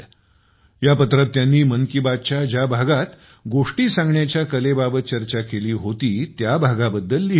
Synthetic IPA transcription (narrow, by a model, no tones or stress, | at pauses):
japət̪ɾət̪ːjanːiːmənkibad̪̚t͡ɕjad͡ʑjabʱaɡat̪ | ɡoʂʈiːsãŋɡɳjat͡ɕjakəlebabət̪̚t͡ɕəɾt͡ɕakeliːɦot̪iːt̪jabʱaɡabəd̪ʱːəlːi